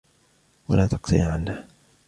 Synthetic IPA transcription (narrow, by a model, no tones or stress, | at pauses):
walaːt̪ɑqt̪ḭʕanːaːh